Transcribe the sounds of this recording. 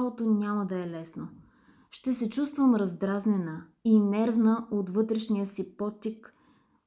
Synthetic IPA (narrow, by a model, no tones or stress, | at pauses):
alˠot̪onʲaməd̪ɐɛlɛsno | ʃt̪ɛsɛt͡ʃust̪vəmɾɐzd̪ɾaznɛnə | inɛɾvnəot̪vɤt̪ɾɛʃnijəsipɔt̪ːik